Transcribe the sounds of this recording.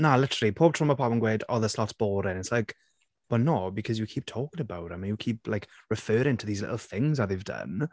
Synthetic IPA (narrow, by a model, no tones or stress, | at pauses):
nalɪtəɹəl̩ˠipʰoːb̚tʰɔməpʰɔbə̃nɡweːdɔðəslɔtb̥ɔːɾɪ̃nɪtslajk | b̥ənobɪkʰʌzjəkʰiːp̚tʰɔːkɪ̃ŋəbawtə̃mə̃jəkʰiːpʰlaɪkɹɪfɜːɾɪ̃ŋtʰəðiːzlɪ̰ʔl̩ˠθɪ̃ŋzəðevdə̰n